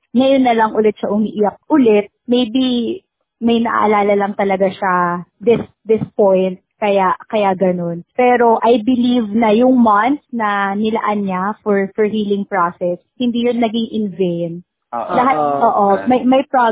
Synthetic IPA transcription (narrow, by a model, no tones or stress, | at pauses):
ŋɐjonːɐlɐŋʔʊlɛt̪̚ʃɐʔʊmiʔijɐk̚ʔʊlɛt̪̚mejbi | mɐjnɐʔa̰ʔɐ̰laːlɐlɐŋt̪ɐlɐɡaʃad̪ɪs | d̪ɪspojnt̪̚kɐjaʔkɐjaɡɐno̞npɛːɾo̞ʔɐjbɪlivnɐjʊŋmɐnt̪snɐnɪlɐ̰ʔɐnɲafɔɹfɔɹɦiːlɪŋpɹasɛshɪnd̪iːjʊnːɐɡɪŋʔɪnvejn̚ | ʔlɐɦat̪̚ʔoːʔomɐjmɐjpɹa